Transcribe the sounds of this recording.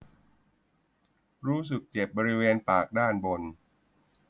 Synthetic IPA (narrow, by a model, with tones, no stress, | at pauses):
ɾuː˦˥s̬ɯ˨˩k̚t͡ɕe˨˩p̚bɔː˧ɾi˦˥weː˧npaː˨˩k̚daː˥˩nbo˧n